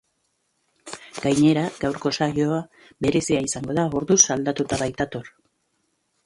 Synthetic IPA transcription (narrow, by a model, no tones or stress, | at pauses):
ɡ̥ajɲe̞ɾaɡ̥awɾko̞saʎo̞a | be̞ɾe̞siaisaŋɡo̞ð̞aoɾðusald̪at̪ut̪aβajt̪at̪o̞ɾ